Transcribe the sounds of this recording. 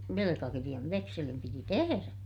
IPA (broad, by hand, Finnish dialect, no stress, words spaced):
ʋelekɑkirij̆ɑʋ ʋekselim piti teheræ